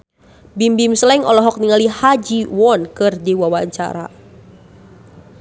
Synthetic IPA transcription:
bimbimsəlɛŋɔlɔɦɔk̚niŋalihad͡ʒiwɔnkɨrdiwawaɲt͡ʃa̰ɾa̰

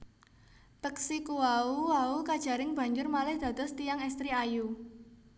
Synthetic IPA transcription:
t̪əksikuwauwaukad̥ʒ̥a̤ɾɪŋb̥ä̤ɲd͡ʒʊrmalɪhd̪̥ä̤d̪̥ɔ̤st̪ijaŋɛst̪ɾiaju

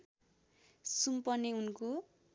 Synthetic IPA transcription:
sumpʌneunko

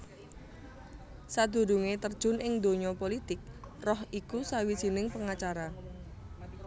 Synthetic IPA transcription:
sad̪̥ṳɾṳŋet̪ərd̥ʒ̥ʊ̤nʔɪŋd̪o̤ɲɔpolit̪ɪk̚rɔhikusawidʒ̥i̤nɪŋpəŋat͡ʃaɾa

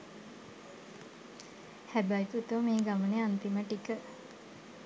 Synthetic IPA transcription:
hæbæjput̪umeːɡaməneant̪iməʈikə

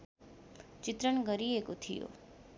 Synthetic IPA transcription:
t͡ʃɪt̪ɾəɳɡəɾiekot̪ʰijo̰

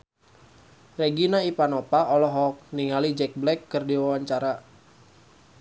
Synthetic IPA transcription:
reɡinaipanɔpaɔlɔɦɔk̚niŋalid͡ʒɛk̚blɛkːɨrdiwawaɲt͡ʃaɾa

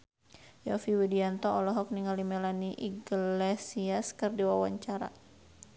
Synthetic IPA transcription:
jɔfiwidiant̪ɔɔlɔɦɔk̚niŋalimɛlaniʔiɡlɛsiaskɨrdiwawaɲt͡ʃaɾa̰

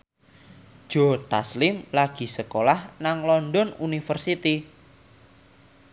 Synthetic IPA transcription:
d̥ʒ̥ɔt̪aslɪmlaɡ̥i̤səkolahnaŋlɔnɖɔnunifərsit̪i

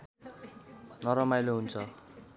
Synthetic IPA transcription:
nʌɾʌmajloɦunt͡sʰʌ

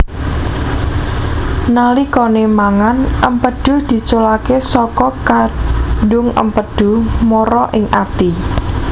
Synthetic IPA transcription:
nalikonemaŋanʔəmpəd̥ʊ̤hd̪̥i̤t͡ʃolakesɔkɔkaɖʊŋə̰mpəɖ̪̥ʊ̤hmoɾɔʔɪŋʔa̰t̪i

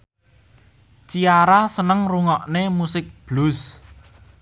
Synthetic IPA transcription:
t͡ʃiaɾasənəŋruŋɔʔnemusɪk̚b̥lʊs

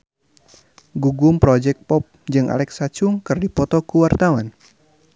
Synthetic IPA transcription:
ɡuɡumpɾɔd͡ʒɛk̚pɔp̚d͡ʒɨŋʔa̰lɛksat͡ʃʊŋkɨrdipɔt̪ɔkuwart̪awan

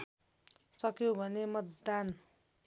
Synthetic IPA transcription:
sʌkjobʱʌnemʌt̪d̪an

